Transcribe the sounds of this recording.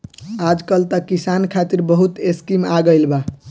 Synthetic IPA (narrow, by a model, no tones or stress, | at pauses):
ad͡ʒkəlt̪əkisankʰat̪iɾbəɦut̪eskimaɡəɪlba